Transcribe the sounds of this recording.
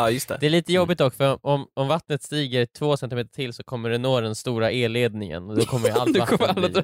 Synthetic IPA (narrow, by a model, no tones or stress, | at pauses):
ɑːjɵst̪ɛ̰d̪ɛæɭiːt̪əjɔbːɪt̪ɔkːfœɾɔɔmɔmvat̪nət̪st̪iːɡəɾt̪ʰvoːsɛnt̪ɪmeːt̪əʈʰɪlsɔkʰɔmːəɖɛnːoːd̪ɛnst̪uːɾaʔeːleːd̪nɪŋə̰nɔd̪ɔkʰɔmːəɾɪalakʰɔmɾalː